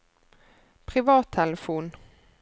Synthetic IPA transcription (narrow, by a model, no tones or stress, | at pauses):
pʰʁɪʋɑːt̪ʰːɛləfuːn